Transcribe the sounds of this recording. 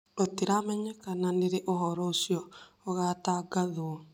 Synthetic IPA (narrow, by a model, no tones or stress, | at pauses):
oteɾamɛɲɛkananeɾeʔoɦɔɾɔosjɔː | ɣataɡaðowɔ